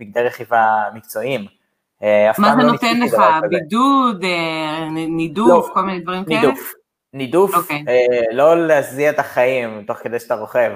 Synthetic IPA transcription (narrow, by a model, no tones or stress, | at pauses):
b̥iɡ̚d̪eʁeχivamik̚t͡so̞im | eafmaazenot̪enleχabidud̪e | nidufkolminejd̪vɐʁimkiuf | nid̪ufoeelo̞leaziaet̪aχaimt̪o̞χked̪ejʃat̪aʁo̞χev